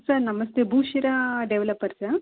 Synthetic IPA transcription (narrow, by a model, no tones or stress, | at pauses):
sɐɾnɐmɐst̪ebʱuːʃiɾaɖeʋlɐpːɐɾsɐɾ